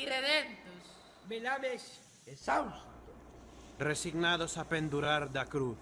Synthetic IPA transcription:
ireðent̪os | belaβes | esawst̪o | resiɣnaðosapend̪uɾaɾd̪akɾu

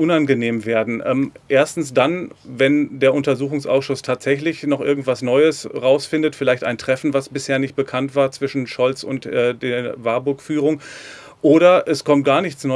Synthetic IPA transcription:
ʔʊnanɡəneːmveːɐdn̩ʔɛ̰ːmʔeːɐstn̩sd̥anvɛndeːɐʊntɐzuːxʊŋsʔa̰ʊsʃʊstʰaːtz̥ɛçlɪçnɔχʔɪɐɡŋ̩tv̥asnɔʏəsʁaʊsfɪndətfɪlaɪçta̰ɪntʁ̥ɛfn̩vasb̥ɪsheːɐnɪçt̚b̥əkʰantv̥aːɐt͡sv̥ɪʃn̩ʃɔlt͡sʊntʔɛːdeːɐvaɐbʊɐkfyːʁʊŋ | ʔoːɾɐʔɛskʰɔmt̚ɡ̥aːɐnɪçt͡snɔ

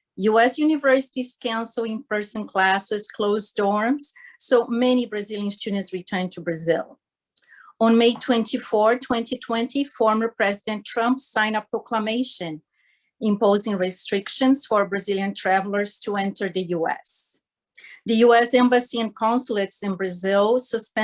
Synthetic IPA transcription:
juɛsjunɪvɜ˞sɪ̥tiz̥kãʊ̃nsl̩ˠɪ̃npɜ˞sə̃nkʰlæsɨz̥kʰloʊzdɔɹmz̥ːoʊmɛ̃nibɹazilˠjɨ̃nstud̃ntsɹitʰɜ̃˞ntʰubɹazɪ̰lˠ | ə̃nmeɪtʰw̥ɛ̃ntʰifɔɹtʰwɛ̃ntitʰw̥ɛ̃ntʰifɔɹmə˞pɹɛzidɛ̃ntʰɹʌ̃mpsãɪ̃nəpɹokʰlameɪʃɨ̃n | ɪ̃mpoʊzɪ̃ŋɹɪstɹ̥ɪkʃɨ̃nsfɔɹbɹazilˠjɨ̃ntʰɹævl̩ˠə˞z̥tʰuɛ̃ntʰə˞ðɨjuɛ̰s | ðɨjuɛsɛ̃mbəsiɛ̃nkʰãnsulˠɨtsɨ̃nbɹazɪlˠsəspɛ̃

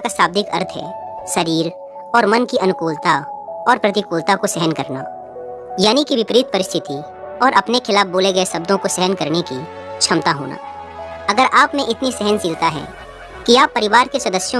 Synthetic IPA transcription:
kasaːb̚d̪ɪkɐ̰ɾt̪ʰɦɛ̰ː | sɐɾiːɾ | ɔːɾmɐnkiɐnʊkuːlt̪aɔːɾpɾɐt̪ɪkuːlt̪akosɛɦənkɐɾna̰ | jaːnikiʋɪpɾiːt̪̚pɐɾɪst̪ʰɪt̪i | ɔːɾʔɐpnekʰɪlaːf̚boːleɡɐesɐb̚d̪õkosɛɦənkɐɾneki | t͡ʃʰɐmt̪aɦo̰ːnʔa̰ː | ɐɡəɾʔaːpmẽʔɪt̪nisɛɦənsɪlt̪aɦɛ̰ː | kiaːpːɐɾɪʋaːɾkeswɐd̪əsjõ

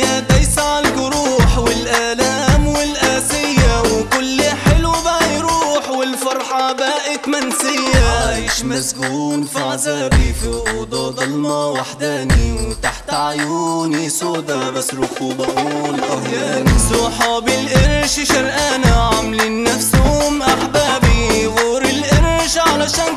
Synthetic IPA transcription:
jat̪ajsaʕalkʊɾuːħwɪlʔaːlaːmwɪlʔaːsɪjːawɪkʊlːħɪlwbajɾuːħwɪlfɑɾˤħɑbaːʔɪt̪mansɪjːaɪʃmazɡuːnfaʕazaːbifiʔʊd̪ˤɑd̪ɑlmawaħd̪aːniwt̪aħt̪ʕajuːnisoːd̪abasɾʊkuːbalʔahjaːnasuħɑːbɪlʔɪɾʃʃalʔaːnaʕamlɪnːafsuʊmʔaħbaːbiwuːɾɪlʔɪɾʃʕalaʃaːn

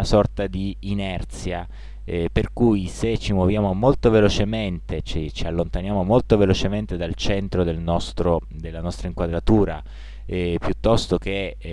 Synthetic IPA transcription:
asɔrt̪ad̪iːnɛrt̪sja | perkujset͡ʃimwovjaːmomolt̪ovelot͡ʃement̪et͡ʃit͡ʃialːont̪anjaːmomolt̪ovelot͡ʃement̪ed̪alt͡ʃɛnt̪ɾod̪elnɔst̪ɾo | d̪elːanɔst̪ɾaiŋkwad̪ɾat̪uːɾa̰ | pjut̪ːɔst̪ok̟e

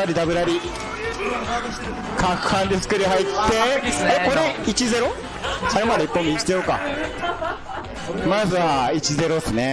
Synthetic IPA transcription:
aɾʲid̪abɯ̟ɾaɾʲi | kʰakɯ̥hãnd̪esɨ̥kɯɾeɦait̪ʰːeekoɾeit͡ɕize̞ɾo̞ | saɾemad̪eipːomʲiki̥t̪eoka̰ | mazɨait͡ɕize̞ɾosɨne

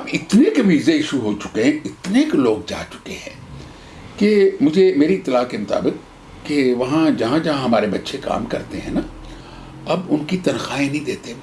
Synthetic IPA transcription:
ɐbɪt̪nekʋiːzeɪʃuɦoːt͡ʃʊ̥keɦɛ̃ɪt̪neːkloːɡ̚d͡ʒa̰ːt͡ʃʊ̥keɦɛ̃ː | kemʊd͡ʒʱemeːɾiɪt̪ːɪlaːkemʊt̪a̰ːbɪqː | eʋɐɦãd͡ʒɐɦãd͡ʒɐɦãɦɐmaːɾebɐtːʃʰeka̰ːmkɐ̰ɾt̪eɦɛ̃ːna | ɐbʊnkit̪ɐnxaːẽnɐɦĩd̪eːt̪ẽ

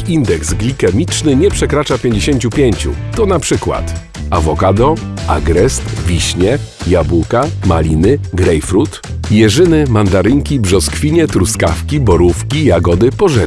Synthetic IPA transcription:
ind̪ɛksɡlʲikɛmʲit͡ʂnɘɲɛpʂɛkɾat͡ʂapʲjeɲd͡ʑeɕeɲt͡ɕupʲjeɲt͡ɕṵt̪ɔnapʂɘkwa̰t̪ | avɔkad̪ɔa̰ɡɾɛst̪vʲiɕɲɛjabukama̰lʲinɘɡɾɛjfɾut̪jɛʐɘnɘmand̪aɾɘŋkʲibʐɔskfʲiɲɛt̪ɾuskafkʲibɔɾufkʲijaɡɔd̪ɘpɔʐɛ

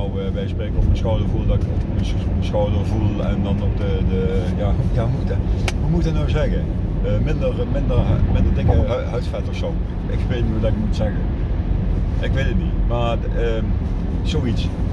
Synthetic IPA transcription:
ɔwəbɛjspreːkəɔfmənsxɔwdəɹvulˠdɑkfmə | məsxɔwdəɹvulˠɛ̰ndɑnɔpdədəjaːjaːmutəʋumutənɔwzɛɣə | əmɪndərmɪndərmɪndədɪŋəɦœɥsfɛtəɹsɔw | ɪ̰kʋetniudɑɪkmutsɛɣə | ʔɪkʋetətnimaː | ə | z̥owits

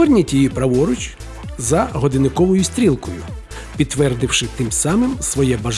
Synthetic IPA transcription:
ɔrʲnʲitʲijipɾɐʋɔɾʊt͡ʃ | zɐɦɔd̪ɪnɪkɔʋɔjʊsʲt̪ʲɾʲilˠkɔjʊ̰ | pʲid̪̚t̪ːʋɛrd̪ɪwʃɪt̪ɪmsɑmɪmsʋɔjɛbɐʒ

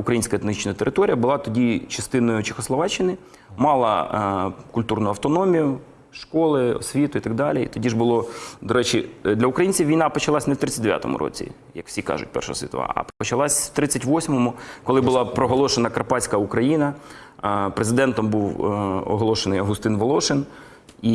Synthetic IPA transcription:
ʊkɾɐjinʲsʲkɐet̪nit͡ʃnɐt̪eɾʔɪt̪ɔɾʲijɐbʊlˠɑt̪ɔdʲit͡ʃɐst̪ɪnɔjʊt͡ʃɪxɔslˠɔʋɑt͡ʃːɪnɪ | mɑlˠɐ̰ | kʊlʲt̪urnʊɐwt̪ɔnɔmʲijʊ | ʃkɔlˠɪɔ̰sʲʋʲit̪ʊit̪ɐɡ̚d̪ɑlʲiḭt̪ɔdʲiʒbʊlˠɔd̪ɔɾɛt͡ʃɪd̪lʲɐʊkɾɐjinʲt͡sʲiwʋʲijnɑpɔt͡ʃɐlˠɑsʲnɛwt̪ɾɪt͡sʲːɐt̚ʲd̪eʋʲa̰t̪ɔ̰mʊ̰ɾʔɔ̰t͡sʲḭ | jɐkw̥sʲikɑ̰ʒʊ̰t̚ʲpɛ̰rʃɔ̰ɦɔsʲit̪ɔʋɑ̰ɐ̰pɔt͡ʃɐlˠɑsʲw̥t̪ɾɪt͡sʲːɐtʲʋɔsʲmɔmʊkɔlˠɪbʊlˠɑpɾɔɦɔlˠɔʃenɐkɐɾrpɑt͡sʲkɐukɾɐjinɐ | pɾezɪd̪ɛnt̪ɔmbuwɔ̰ɦɔlˠɔʃenɪjɐɦʊst̪ɪnʋɔlˠɔʃɪn | i

